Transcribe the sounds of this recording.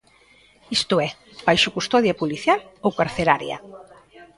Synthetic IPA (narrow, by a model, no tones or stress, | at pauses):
ist̪ʊɛ | bajʃʊkust̪ɔðjapuliθjalowkaɾθelaɾjɐ̰